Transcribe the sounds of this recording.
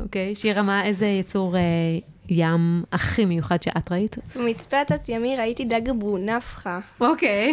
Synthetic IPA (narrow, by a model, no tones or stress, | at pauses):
ʔokejʃiʁamaezejet͡suʁe | jamaχimejuχadʃeʔatʁaitbemit͡spat̪at̪jamiʁaitid̪aɡbunafχaokej